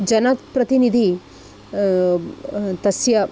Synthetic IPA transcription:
d͡ʒɐnɐt̪pɾɐt̪inid̪ʱi | t̪ɐsjɐ

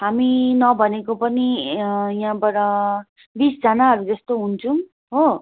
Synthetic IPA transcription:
ɦaminʌbʱʌnekopʌnijãbʌɾʌ | bisd͡zʌnaɦʌɾud͡zʌst̪oɦunt͡sʰũ | ɦo

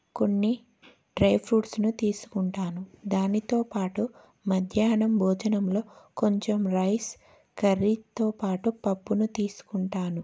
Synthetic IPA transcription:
ko̞nːi | ɖɾɐjpʰɾuːʈsnut̪iːsu̥kuɳʈaːnud̪aːnit̪o̞ːpaːʈu | mɐd̪ʱjaːnɐmbʱɔːd͡ʒɐnɐmlo̞ːko̞ɲt͡ʃemɾɐjs | kɐɾit̪o̞ːpaːʈupɐpːunut̪iːsu̥kuɳʈaːnu

